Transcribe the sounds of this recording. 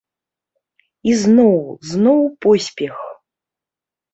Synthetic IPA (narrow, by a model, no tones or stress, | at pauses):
iznɔwznɔwpɔsʲpʲɛx